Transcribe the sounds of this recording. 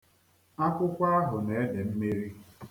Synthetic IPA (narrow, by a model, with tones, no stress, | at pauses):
a˦kʷʊ˦kʷa˦ɦʊ˨ne˨˦e˦de˨m̩˦me˦ɾi˦